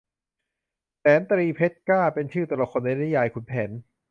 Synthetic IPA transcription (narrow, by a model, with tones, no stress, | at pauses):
sɛː˩˦nt̪ɾiː˧pʰe˦˥t̪̚kaː˥˩pe˧nt͡ɕʰɯː˥˩ɔ˧lɔ˨˩k̚ʰo˧nda˧na˦˥˩jaː˧jkʰu˨˧npʰɛː˩˦n